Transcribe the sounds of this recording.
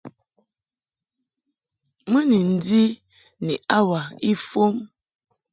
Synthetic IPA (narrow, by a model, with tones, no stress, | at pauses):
mə˦ni˨n̩˦˨di˦ | ni˨ʔa˦wa˨i˦fo˦m